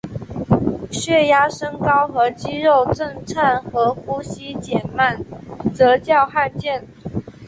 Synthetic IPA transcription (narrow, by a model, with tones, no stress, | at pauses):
ɕɥɛ˥˩ja˥ʂə˥ŋkɑ˥ʊxɤ˧˥t͡ɕi˥ɻo˥˧ʊʈ͡ʂə˥˧ŋt͡sʰa˥˩nxɤ˧˥xu˥ɕi˥t͡ɕjɛ˨˩nma˥˩nt͡sɤ˧˥t͡ɕjɑ˥˧ʊxa˥˧nt͡ɕjɛ˥˩n